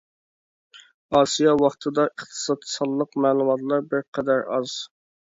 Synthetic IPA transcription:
ɑːsijɑwɑχt̪ʰɨd̪ɑʔəχt̪ʰɨ̥sɑd̪̥̚ʰsɑd̪lˠəqmæːlˠumɑt̪lˠɑɾbɪɾqʰɛd̪æɾɑz̥

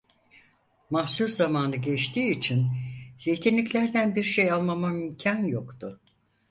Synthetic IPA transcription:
mahsuɾzamaːnɯɟɛt͡ʃt̪ʰiːt͡ʃʰinz̥ejt̪ʰinlʲiclʲæɾd̪ænbiɾʃejalˠmamamymcʰanjokt̪ʰʊ

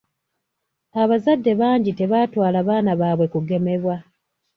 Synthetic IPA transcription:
aβazadːe̞βaːɲɟite̞βaːtwaːlaβaːnaβaːβwe̞kuɡe̞me̞βwa

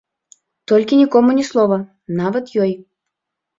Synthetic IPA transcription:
t̪olʲkʲɪnʲikomunʲɪslˠovə | nɑvət̪jɔj

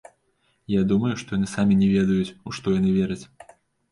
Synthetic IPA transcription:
jad̪umɐjuʂt̪ɔjanɨsamʲinʲɛvʲɛd̪ɐjut͡sʲuʂt̪ɔjanɨvʲɛɾɐt͡sʲ

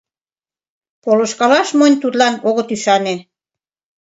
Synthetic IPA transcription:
polŏʃkɑlɑʃmonʲt̪ut̪lɑnoɣət̪yʃɑne

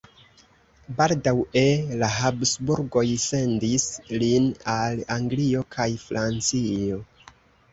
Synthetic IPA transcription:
baldawe̞laɦabsbuɾɡo̞jse̞ndislinalaŋɡlio̞kʰajfɾʔant͡sio̞

